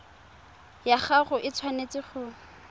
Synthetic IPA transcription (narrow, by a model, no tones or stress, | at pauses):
jaχaχʊʔɪt͡sʰwanet͡sɪχʊ